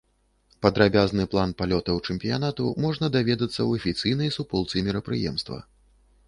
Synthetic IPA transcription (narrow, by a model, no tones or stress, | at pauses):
pɐd̪ɾabʲaznɨplˠanpalʲɔt̪ɐwt͡ʂɛmʲpʲijan̪at̪umɔʐnɐd̪avʲɛd̪ɐt̪sːɐwɐfʲit̪sɨjnɐjsupɔlˠt̪sɨmʲiɾɐpɾɨjɛ̰mst̪vɐ̰